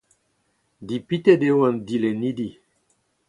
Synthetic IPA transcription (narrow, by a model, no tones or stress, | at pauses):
d̪ipit̪edewand̪ilenid̪i